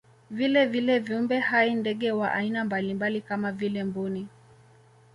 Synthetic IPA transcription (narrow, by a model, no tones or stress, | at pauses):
vilɛvilɛviumbɛhaindɛɠɛwaʔa̰inambalimbalikamavilɛmbuni